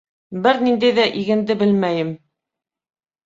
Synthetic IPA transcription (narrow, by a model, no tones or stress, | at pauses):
bɘɾnind̪æjðæʔiɣɘ̆nd̪ɘbɘlmæjɘm